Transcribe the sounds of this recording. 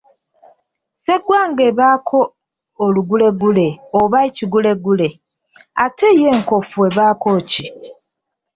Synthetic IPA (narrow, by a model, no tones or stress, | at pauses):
se̞ɡwaŋɡeβaːkʰo̞ː | luɡule̞ɡule̞oβaiciɡule̞ɡule̞ | atʰejeːŋko̞fue̞βaːko̞ːci